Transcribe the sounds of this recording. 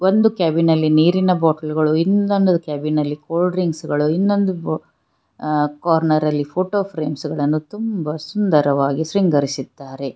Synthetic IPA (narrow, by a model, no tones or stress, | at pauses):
o̞nd̪ukaːbinɐlːiniːɾinɐbɔːʈɐlɡɐɭuinːond̪ukaːbinɐlːikoːlɖɾiŋɡsɡɐɭuinːo̞nd̪u | kaːɾnɐɾɐlːipʰoːʈoːpʰɾeːmsɡɐɭɐnːut̪umbɐsund̪ɐɾɐʋaːɡisɾiŋɡɐɾisid̪̥ːaːɾe̞